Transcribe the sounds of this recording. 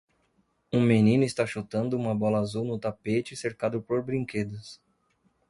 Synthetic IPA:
ũmenĩnʊɪst̪aʃot̪ɐ̃nd̪ʊũmɐbɔlɐazuwnʊt̪apet͡ʃɪseɾkad̪ʊpoɾbɾĩŋked̪ʊs

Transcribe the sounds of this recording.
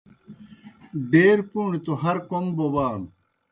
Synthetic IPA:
ɖeːɾpuːɳit̪oɦɐɾkoŋbobaːn

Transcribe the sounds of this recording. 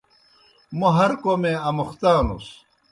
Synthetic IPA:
moɦɐɾkomẽɐmuxt̪aːnṵs

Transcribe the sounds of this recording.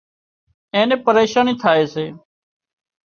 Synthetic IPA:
ẽːnẽːpəɾeːʃaːniːt̪ʰaːeːseː

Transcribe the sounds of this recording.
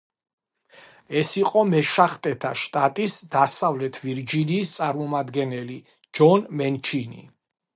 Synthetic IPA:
ɛsiqʼɔmɛʃaχt̪ʼɛt̪ʰaʃt̪ʼat̪ʼisd̪asavlɛt̪ʰviɾd͡ʒiniːst̪sʼaɾmɔmad̪ɡɛnɛli | d͡ʒɔnmɛnt͡ʃʰinḭ

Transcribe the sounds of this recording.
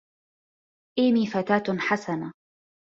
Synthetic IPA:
ʔiːmiːfat̪aːt̪ħasana

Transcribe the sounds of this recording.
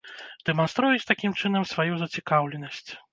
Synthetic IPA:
d̪̥ɛmanst̪ɾujut͡sʲt̪akʲimt͡ʂɨnɐmsvajuzɐt͡sʲikawlʲɛnɐsʲt͡sʲ

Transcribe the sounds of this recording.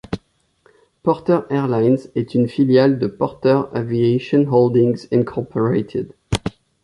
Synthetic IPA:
pɔʁt̪əʁɛʁlajnzɛt̪ʰynfiljald̪əpɔʁt̪əʁavieʃɔ̃nɦɔld̪ɪ̃ŋzĩnkʰɔʁpʰɔɹet̪ʰɪ̰d̪

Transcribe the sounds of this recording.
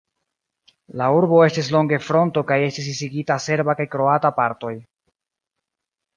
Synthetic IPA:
lauɾbo̞e̞stis̬lo̞ŋɡe̞fɾo̞nto̞kaje̞stis̬isiɡitase̞ɾbakajkɾo̞atapaɾto̞j

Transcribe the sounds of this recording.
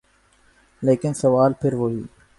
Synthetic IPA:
leːkɪnsɐʋaːlpʰɪɾʋoːɦḭː

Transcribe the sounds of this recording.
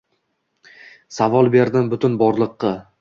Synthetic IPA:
savɒlˠbe̞ɾd̪ɪmbʊt̪ʊnbɒɾlˠɨqːɑ

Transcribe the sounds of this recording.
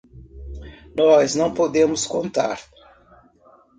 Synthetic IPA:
nɔznɐ̃w̃pod̪ẽmʊskõnt̪a̰ɾ

